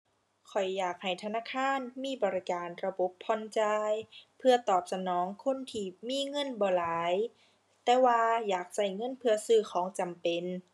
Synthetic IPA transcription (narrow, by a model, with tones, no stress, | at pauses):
kʰɔ˨˩jːaː˨˩k̚ha˨˩jt̪ʰa˧naː˧˥˨kʰaː˧˥˨nmiː˧˥˨bɔː˨˩ɾi˦˧˩kaː˨˩nɾa˧bo˧˦pʰːɔ˧nt͡ɕaː˧jpʰɯ˧ɐt̪ɔː˨˩p̚sa˧nɔː˨˦ŋkʰo˧˥˨nt̪ʰiː˧˩miː˧˥˨ŋɤ˧˥˨nbɔː˨˩laː˨˦j | t̪ɛː˧waː˧jaː˨˩k̚sa˧˩jŋɤ˧˥˨npʰɯ˧ɐsɯː˧˩kʰɔː˨˦ŋt͡ɕa˨mpe˨˩n